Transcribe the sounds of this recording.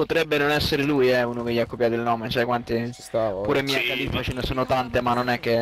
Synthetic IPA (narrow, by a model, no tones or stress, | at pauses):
pot̪ɾɛbːenonɛsːeɾeluːjɛuːnok̟eʎːiakːopjaːt̪oilnɔːmet͡ʃɛkwant̪isapuːɾemiakːat̪it̪ːat͡ʃenesoːnot̪ant̪emanːonɛk̟ːe